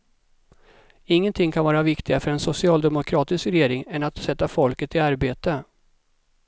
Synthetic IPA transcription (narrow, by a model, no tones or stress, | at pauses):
ɪŋːənt̪ʰɪŋːkʰanvɑːɾavɪkt̪ɪɡafœɾɛnsʊsɪɑːld̪ɛmʊkʰɾɑːt̪ɪskɾɛjeːɾɪŋɛnat̪sɛt̪ːafɔlkət̪ɪaɾbeːt̪ə